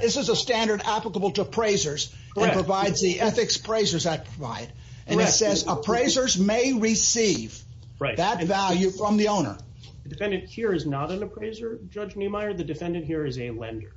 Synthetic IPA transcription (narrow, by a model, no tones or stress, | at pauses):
ðɪsɨzəstæ̃ndə˞ɾæpləkəbl̩ˠtəpʰɹ̥eɪzə˞z | ɨ̃nʰɹ̥əvaɪdzðiʔɛθɨkspʰɹ̥eɪzə˞zðɨt̚pʰɹ̥əva̰ɪɾ | ʔɨ̃nɨsɛzəpʰɹ̥eɪzə˞zmeɪɹɪsiv | ɹaɪðɨtvælˠjʉfɹʌ̃mðiõʊ̃nə̰˞ | ðɨdɨfɛ̃ndɨ̃nthiɹɨznəɾɨ̃nəpʰɹ̥eɪzə˞d͡ʒʌd͡ʒnimaɪə˞ðɨdɨfɛ̃ndɨ̃nt̚hiɹɨzɨlɛ̰̃ndə˞